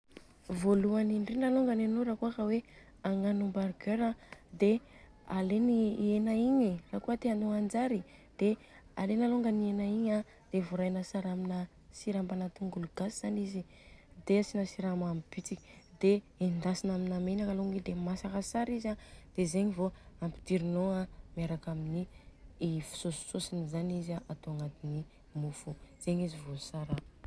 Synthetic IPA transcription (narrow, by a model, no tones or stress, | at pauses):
voluaniɳɖ͡ʐinaloŋɡananoɾakuakəwe | aŋanumbaɾɡøɾad̪e | alenienaiɲiraːkuət̪eanoand͡ʒaɾid̪̥e | a̰lenaloŋɡanienaiɲa | d̪̥evoɾajnasaɾaminə | siɾambanat̪uŋɡuluɡ̥asiz̥anizi | d̪easinasiɾamambit͡siki̥d̪e | end̪asinaminamenakaloŋɡid̪emasakasaɾizad̪̥ezeɲivoampi̥t̪iɾinoamaɾakaminiifi̥sosi̥sosinizanizaʔat̪oaŋat̪ini | mufuz̥eɲizivosaɾa